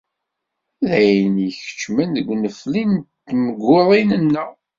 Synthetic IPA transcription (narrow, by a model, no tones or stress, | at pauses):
ðæjnəçə̥t͡ʃːmænðəɡʷnəflint̪ːməɡːʊðˤinənːə